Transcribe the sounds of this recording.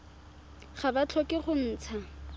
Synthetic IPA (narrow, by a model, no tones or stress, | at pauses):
χabat͡ɬʰɔkɪχʊn̩ːt͡sʰa